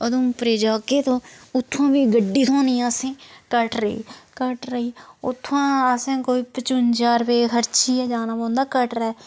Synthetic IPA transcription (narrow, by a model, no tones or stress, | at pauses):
əd̪õːpɾeːd͡ʒaːkeːt̪õːʊt̪ʰːãːbiːɡəɖːiːt̪ʰõːnĩːsẽːkəʈɾəḭːkəʈɾəiːʊt̪ʰːãːəsẽːkoːiːpət͡ʃʊnd͡ʒaːɾpeːkʰəɾt͡ʃʰiːɛːd͡ʒaːnaːbõːnd̪aːkəʈɾɛː